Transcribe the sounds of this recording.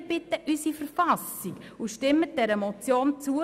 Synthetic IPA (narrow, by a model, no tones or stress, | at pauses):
b̥ɪtːəʔysifəɾfasikuʃtɪmət̚d̥ɛɾəmɔt͡sjoːnt͡suə